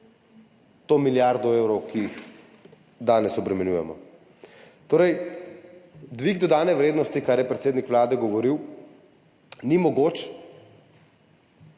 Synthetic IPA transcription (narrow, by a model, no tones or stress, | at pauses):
t̪oːmiljaɾd̪ɔeːwɾɔwkiix | d̪aːnɛsɔbɾɛmɛnjuːjɛmɔ̰ | t̪oːɾɛj | d̪ʋiɡd̪ɔd̪aːnɛʋɾeːd̪nɔst̪ikaɾjɛpɾɛt̪seːd̪nikʋlaːd̪ɛɡɔʋɔɾiw | nimɔɡoːt͡ʃ